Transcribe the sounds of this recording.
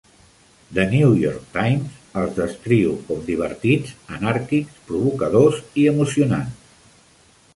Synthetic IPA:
d̪ənujɔ̰ɾk̚t̪ajmzəlˠzðəskɾiwkɔmd̪iβ̞ə̰ɾt̪id͡zənaɾkikspɾuβ̞ukəð̞oziəmusiuna̰ns

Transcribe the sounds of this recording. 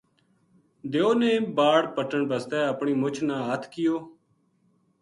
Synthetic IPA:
d̪eːoːneːbaːɽpəʈəɳbəst̪ɛːəpɳiːmʊt͡ʃʰnãːɦət̪ʰkɪjoː

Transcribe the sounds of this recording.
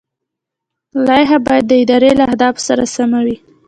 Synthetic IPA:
lɑjɦabɑjad̪ːəɪd̪ɑɾelaahd̪ɑfsaɾa̰samawi

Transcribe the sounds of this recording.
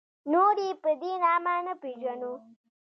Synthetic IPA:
nuːɾipəd̪inaːmaːnəpid͡ʒɐnu

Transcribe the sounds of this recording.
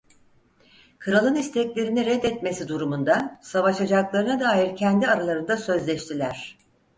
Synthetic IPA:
kʰɯɾalˠɯnist̪ʰɛclʲe̞ɾiniɾɛd̪ːɛt̪me̞sid̪uɾumund̪asavaʃad͡ʒaklˠaɾɯnad̪aːjiɾcʰɛnd̪iaɾalˠaɾɯnd̪asø̞zlʲɛʃt̪ʰilʲæɾ̝̥

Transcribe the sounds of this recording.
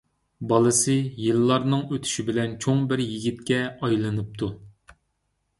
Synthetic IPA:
bɑlˠɨsɨjɨlːɑɾnɨŋøt̪ʰy̥ʃibɪlɛnt͡ʃʰoŋbɪɾjiɡʲit̪̚kʲɛɑjlˠɨnɨp̚t̪ʰu

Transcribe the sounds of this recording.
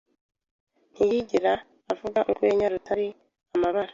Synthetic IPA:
nijiɟiɾaː | vuɡaʔuɡweɲaɾutʰaɾi | amaβaɾa

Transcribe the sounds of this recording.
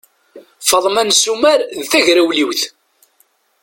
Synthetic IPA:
fɑðˤmænsumæɾðːæʝɾæwliwθ

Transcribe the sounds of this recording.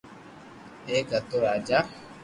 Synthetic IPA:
eːɡət̪oɾaːd͡ʒa

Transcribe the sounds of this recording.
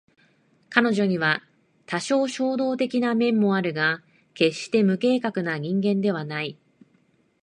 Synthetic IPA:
kano̞ʑo̞ɲ̟iβa | t̪aɕo̞ːɕo̞ːd̪o̞ːt̪e̞kʲinamẽ̞mːo̞aɾɯ̟ɡa | ke̞ɕt̪e̞mɯ̟ke̞ːkakɯ̟naɲ̟ĩŋɡẽ̞nd̪e̞β̞anai

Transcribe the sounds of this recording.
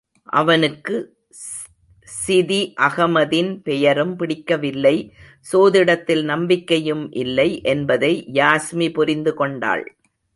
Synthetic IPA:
ʔɐ̰ʋɐnɯkːɯ | sɪðiʔɐɣɐmɐðɪnpɛjɐɾɯmpɪɽɪkːɐʋɪlːɐɪ | soːðɪɽɐt̪ːɪlnɐmbɪkːɐjɯmʔɪ̰lːɐɪʔɛnbɐðɐɪjaːsmipʊɾɪnd̪ɯkɔɳɖa̰ːɭ

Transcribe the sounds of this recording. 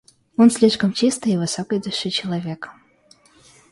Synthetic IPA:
onsʲlʲiʂkəmt͡ɕist̪ɨjivɨsokəjd̪ʊʂɨt͡ɕɪlˠɐvʲek

